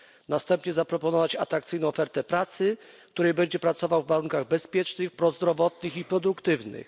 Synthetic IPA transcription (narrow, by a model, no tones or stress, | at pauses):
nast̪ɛmpɲɛzapɾɔpɔnɔvat͡ɕa̰t̪ɾakt̪sɘjnɔ̃w̃ɔfɛɾt̪ɛpɾat̪sɘk̚t̪uɾɛjbɛɲd͡ʑɛpɾat̪sɔvawvːaɾuŋkaɣbɛspʲjɛt͡ʂnɘxpɾɔzd̪ɾɔvɔt̪nɘxipɾɔd̪ukt̪ɘvnɘ̰x